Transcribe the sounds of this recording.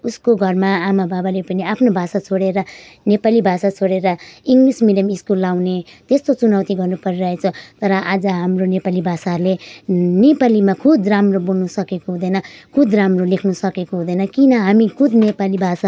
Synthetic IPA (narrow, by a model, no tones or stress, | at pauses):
uskoɡʱʌrmaːmababalepʌniapʰnobʱasat͡sʰoɽeɾʌnepalibʱasat͡sʰoɽeɾʌiŋɡlismiljʌmiskulːawnet̪est̪ot͡sunawt̪iɡʌrnupʌɾiɾʌɦet͡sʰʌt̪ʌɾʌʔad͡zʌɦamronepalibʱasaɦʌɾlenepalimakʰud̪ʱramrobolnusʌkekoɦũd̪ʌjnʌkʰud̪ramrolekʰnusʌkekoɦũd̪ʌjnʌkinʌɦamikʰud̪nepalibʱasa